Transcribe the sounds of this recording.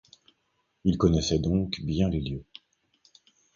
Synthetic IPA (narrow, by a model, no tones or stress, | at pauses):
ilkɔnɛsɛd̪ɔ̃kbjɛ̃leljø